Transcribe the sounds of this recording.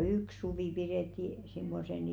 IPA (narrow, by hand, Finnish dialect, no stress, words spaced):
yks suʋiˑ piɾeˑtːi simːosen